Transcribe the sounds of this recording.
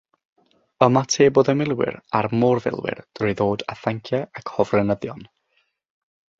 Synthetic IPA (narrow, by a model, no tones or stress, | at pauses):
əmatʰeːboːðəmɪlˠwɪ̰rarmɔrvɪ̰lˠwɪ̰rd̥rɨjðoːdaθaŋkʰjaakʰhɔvrɛnəðjɔn